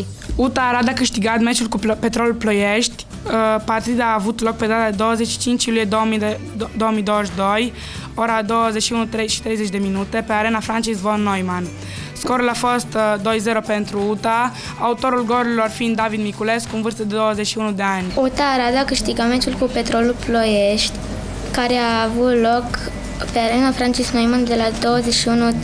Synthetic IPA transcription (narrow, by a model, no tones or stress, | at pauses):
ut̪aːɾad̪akɨʃt̪iɡat̪met͡ʃulkupet̪ɾolulplojeʃt̪ʲ | part̪id̪aːvut̪lok̚pe̞d̪at̪ad̪ed̪owəzet͡ʃʃi̥t͡ʃint͡ʃilujed̪omi | d̪oomijd̪oəʃd̪oj | oɾad̪owəzet͡ʃʃiunut̪ɾeʃi̥t̪ɾejzet͡ʃd̪eminut̪e̞peaɾenafɾant͡ʃisvonːojman | skoɾulafost̪d̪o̞jze̞ɾope̞nt̪ɾuut̪a | aut̪o̞ɾulɡo̞ɾilo̞rfind̪d̪avid̪mikule̞skuunvɨrst̪əd̪ed̪o̞wəze̞t͡ʃʃiunud̪e̞anʲut̪aːɾad̪akɨʃt̪iɡame̞nt̪ulkupe̞t̪ɾo̞luplojeʃt̪ʲ | kaɾeaːvut̪lo̞k | pe̞aɾe̞nafɾant͡ʃisknojmand̪elad̪o̞wəzeʃiunu